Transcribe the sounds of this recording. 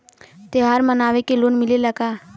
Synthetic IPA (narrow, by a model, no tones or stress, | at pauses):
t̪eɦaːɾmənaːʋekeloːnmɪleləɡaː